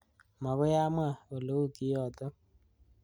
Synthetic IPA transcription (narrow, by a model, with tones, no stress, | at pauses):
ma˨ɣʊ˦ja˦ma˦˨o˨lo˦u˦ki˦jɔ˨tɔ˦